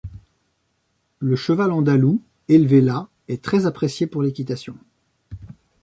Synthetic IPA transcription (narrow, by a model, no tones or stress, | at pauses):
ləʃəvalɑ̃d̪alu | elvela | ɛt̪χɛzapχesjepuʁlekʲit̪asjɔ̃